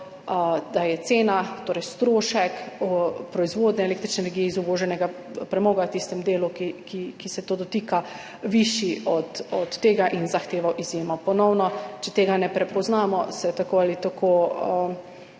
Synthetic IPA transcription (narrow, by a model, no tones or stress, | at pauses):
d̪ajɛt̪seːnat̪oːɾɛjst̪ɾoːʃɛkpɾɔizʋoːd̪nɛeleːkt̪ɾit͡ʃnɛːnɛɾɡijɛizuboːʒɛnɛɡa | pɾɛmɔːɡawt̪ist̪ɛmd̪eːlukikikisɛt̪oːd̪ɔt̪iːka | ʋiʃiɔt̪ɔt̪ːeːɡaʔinzaxt̪eːʋawʔizjeːmɔpɔnɔwnɔt͡ʃɛt̪eːɡanɛpɾɛpɔznaːmɔsɛt̪akoːalit̪akʰoə